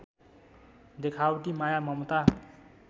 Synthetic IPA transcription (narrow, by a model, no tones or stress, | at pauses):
d̪ekʰawʈimajamʌmt̪a